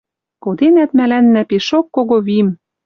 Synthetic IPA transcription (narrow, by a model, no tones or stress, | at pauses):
kod̪enæt̪mælænːæpeʃokːoɣoβim